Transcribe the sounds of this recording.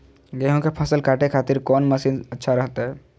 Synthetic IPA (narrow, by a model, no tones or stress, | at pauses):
ɡeɦõkepʰəsəlkʰaːʈekʰaːt̪iɾkɔːnməsiːnətːʃʰaɾəɦt̪aɦɛ